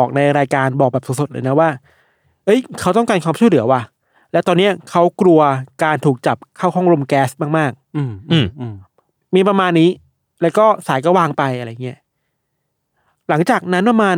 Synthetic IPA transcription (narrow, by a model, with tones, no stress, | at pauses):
ɔː˨˩k̚na˧jɾaː˧jkaː˧nbɔː˨˩k̚bɛː˨˩pso˨˩so˨˩t̪̚l̰ːna˦˥waː˥˩ | ʔɤ˦˥jkʰa˦˥wt̪ɔ˥˩ŋkaː˧nkwaː˧mʰt͡ɕu˥˩jlɯ˩˦wa˧ | lɛ˦˥wt̪ɔː˧nːi˦˥ɐkʰa˦˥wkɾu˧ɐkaː˧nt̪ʰuː˨˩k̚t͡ɕa˨˩p̚kʰaː˥˩wɦɔ˥˩ŋɾo˧mkɛː˦˥st̪̚maː˥˩k̚maː˥˩k̚ː | miː˧pɾa˧maː˧nːiː˦˥ | lɛː˦˥wkɔː˥˩saː˩˦jkɔː˥˩waː˧ŋpa˧jʔa˧ɾa˧jŋi˦˥ɐʔ | la˩˦ŋt͡ɕaː˨˩k̚na˦˥npa˧maː˧